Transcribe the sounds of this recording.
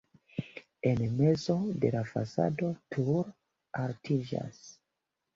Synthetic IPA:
e̞nme̞zo̞de̞lafa̰sa̰do̞tʰuɾ | altʰid͡ʒa̰s

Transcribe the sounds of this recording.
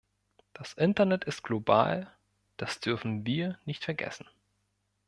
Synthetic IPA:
d̥asʔɪntɐnɛtɪstɡ̥loba̰ːl | d̥asd̥ʏɐfn̩viːɐnɪçtfɛɐɡɛ̰sn̩

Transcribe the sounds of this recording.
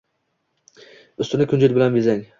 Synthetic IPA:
ʊst̪ɪnɪkʰʲʊnd͡ʒɪt̪̚ʲbɪlanbɪzaŋ

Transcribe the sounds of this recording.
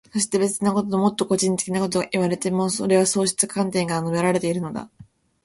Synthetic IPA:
so̞ɕ̬i̥t̪e̞be̞t͡sɨnako̞t̪oomo̞t̪ːo̞ko̞ʑĩnt̪e̞kʲinako̞t̪̬o̞ɡaʔiβ̞aɾe̞t̪e̞mosoɾe̞β̞aso̞ːɕi̥t͡sɨkʰãnt̪ẽŋɡanobe̞ɾaɾe̞t̪e̞iɾɯ̟no̞d̪a̰

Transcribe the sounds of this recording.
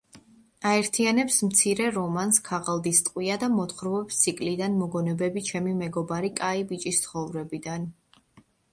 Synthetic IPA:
aɛɾt̪ʰianɛpsmt̪sʰiɾɛɾɔmanskʰaʁalˠd̪ist̪ʼqʼwiad̪amɔt̪χɾvɛpst̪ʰikʼlid̪anmɔɡɔnɛbɛbit͡ʃʰɛmimɛɡɔbaɾikʼaibit͡ʃʼist̪sʰχɔvɾɛbid̪an

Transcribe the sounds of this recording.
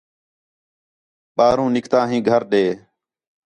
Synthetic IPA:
ɓaːɾũːnɪkʰt̪ãːɦĩːɡʱəɾɗeː

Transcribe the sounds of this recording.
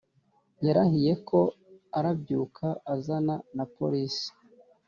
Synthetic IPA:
jeɾahije̞kʰo̞aɾabɟuːkʰaːzananapo̞̰ɾisi̥

